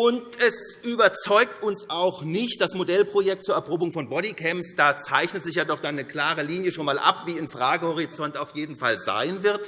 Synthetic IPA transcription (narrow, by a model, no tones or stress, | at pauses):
ʔʊntɛsʔyːbɐt͡sɔʏk̚tʰʊnsʔaʊxnɪçt̚d̥asmodɛlpʁ̥ojɛk̚t̚t͡suːɐɛɐpʁoːbʊŋfɔnbɔɾikʰɛmpsd̥aːt͡saɪçnətz̥ɪçjaːdɔχd̥anːəkl̥aːʁəliːnjəʃoːnmaːlʔa̰pv̥iːɪmfʁ̥aːɡəhɔʁ̞it͡sɔntaʊfjeːdn̩fa̰lza̰ɪnvɪɐt